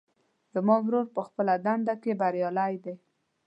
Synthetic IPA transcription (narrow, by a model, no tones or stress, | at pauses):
z̥əmɑɡɾoɾpəxpəlad̪aɳɖ̪akebaɾjɑlajd̪e